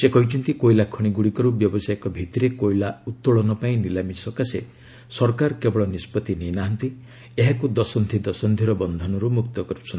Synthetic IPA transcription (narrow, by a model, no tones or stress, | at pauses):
sekɔɦit͡ʃʰɔnt̪ikojlakʰɔɽ̃iɡuɽikɔɾubjɔbɔsajɔkɔbʱit̪iɾekojlaut̪ːoɭɔnɔpaĩnilamisɔkasḛ | sɔɾkaɾkebɔɭɔnispɔt̪ininaɦant̪i | eɦakud̪ɔsɔnd̪ʱid̪ɔsɔnd̪ʱiɾɔbɔnd̪ʱɔnɔɾumuk̚t̪ɔkɔɾut͡ʃʰɔnt̪i